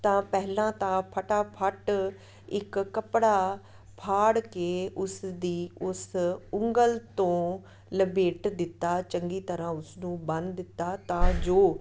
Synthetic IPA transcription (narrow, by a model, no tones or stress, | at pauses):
t̪ãːpɛɦlãːt̪ãːpʰəʈaːpʰəʈ | ɪkːəpɽaː | pʰaːɽkeːʊsd̪iːʊsʊŋɡəlt̪õː | ləbeːʈd̪ɪt̪ːaːt͡ʃəŋɡiːt̪əɾãːʊsnũːbə̃nd̪d̪ɪt̪ːaːt̪ãːd͡ʒoː